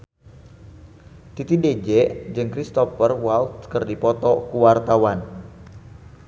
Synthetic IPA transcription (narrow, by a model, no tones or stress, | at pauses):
t̪it̪ided͡ʒɛʔd͡ʒɨŋkɾist̪ɔfərwalt̪kɨrdipɔt̪ɔkuwart̪awan